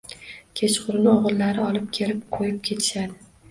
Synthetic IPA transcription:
kʲʰe̞t͡ʃqʰʊɾnɪoʁɨlˠːaɾɪɒlˠɪp̚kʲʰe̞lɪp̚qʰojɪp̚kʲʰe̞t̪ʰɪ̥ʃad̪ɪ

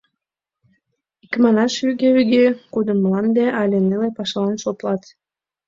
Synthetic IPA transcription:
ikmɑnɑʃyɡeyɡekud̪əməlɑnd̪eʔɑlʲenelepɑʃlɑnʃot̪lɑt̪

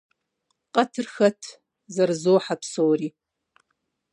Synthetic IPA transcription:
qʼɐtʰɨrxɐtʰ | zɐrzowħapʰsowri

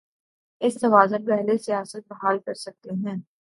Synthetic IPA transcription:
ɪsːɐʋaːzənpɛɦlesijaːsət̪̚bɐɦaːlkɐɾsɐk̚t̪eɦɛ̃ː

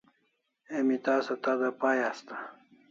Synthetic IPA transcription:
emit̪aːsɐt̪ad̪apaːjast̪a

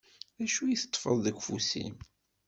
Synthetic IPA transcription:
ðæʃujiθə̥t̪ˤːfəðˤðəɡʷfusḭm

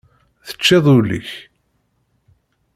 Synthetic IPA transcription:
θə̥t͡ʃːɪðˤulḭç

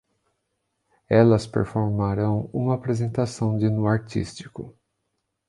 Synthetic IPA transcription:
ɛlɐspḛɾfoɾmaɾɐ̃w̃ũmɐapɾezẽnt̪asɐ̃w̃d͡ʒɪnuaɾt͡ʃḭst͡ʃi̥kʊ

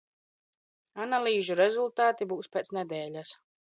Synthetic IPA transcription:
analˠiːʒuɾɛzulˠt̪aːt̪ibuːspʲeːt̪snɛd̪ɛːlʲas

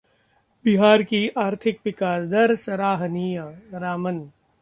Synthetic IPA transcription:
bɪɦaːɾkiʔaːɾt̪ʰɪkʋɪkaːsd̪ɐɾsɾaːɦniːjaɾaːmən

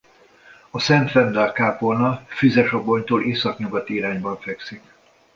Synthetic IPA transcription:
ɒsɛnt̪fɛnd̪ɛrkaːpolnɒfyzɛʃɒbo̞ɲt̪oːlʔeːsɒkɲuɡɒt̪iɾaːɲbɒɱfɛksik

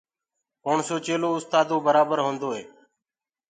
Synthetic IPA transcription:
koːɳsoːt͡ʃeːloːʊst̪aːd̪õːbəɾaːbəɾɦõːnd̪oːɦeː

